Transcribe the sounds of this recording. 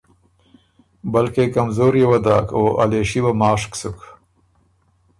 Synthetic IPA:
bɐlkekamzoːɾjewɐd̪ɑːkʰoːʔaleʃiwamɑːʂksuk

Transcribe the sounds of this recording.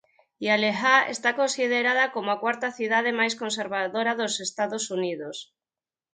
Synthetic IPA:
jalexaḛst̪akonsið̞eɾaðakomoakwaɾt̪aθiðað̞emajs̬kons̬eɾβ̞aðoɾaðosest̪aðosunið̞os

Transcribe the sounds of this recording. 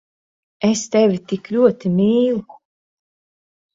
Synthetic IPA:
est̪ɛvʲit̪iklʲuɔt̪imiːlˠ

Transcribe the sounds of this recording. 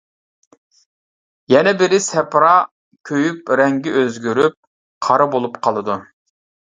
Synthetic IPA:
jɛnɛbɪɾɪsɛpɾɑ | kʲʰøjypɾɛŋɡʲɪʔøzɡʲyɾyp̚ | qʰɑɾɨbolˠupqʰɑlˠɨd̪u

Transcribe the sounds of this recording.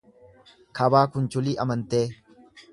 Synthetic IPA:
kʰɐbaːkʊnt͡ʃʊliːʔɐmɐnt̪eː

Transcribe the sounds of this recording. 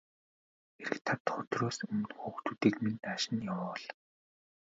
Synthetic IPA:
xeɾɘ̆kt̪ʰat̪χʊt̪roːsɵm̆nxuːkt̪uːt̪iːkminaʃɪ̆njawʊːɮ

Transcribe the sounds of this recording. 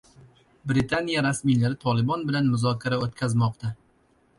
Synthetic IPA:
bɾɪt̪ʰanijaɾasmijlaɾɪt̪ʰɒlˠɪbɒnbɪlanmʊzɒkʲʰaɾaot̪̚kʲʰazmɒqt̪ʰa

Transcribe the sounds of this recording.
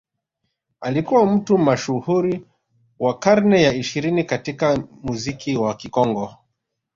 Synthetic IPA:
alikuwam̩tumaʃuhuɾi | wakaɾnɛjaiʃiɾinikatikamuzikʰiwakikɔŋɡɔ

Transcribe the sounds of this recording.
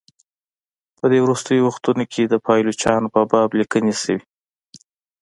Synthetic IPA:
pəd̪ewɾust̪əjowaxt̪unokʰed̪əpʰɑjlot͡ʃɑnopəbɑblikənesəwi

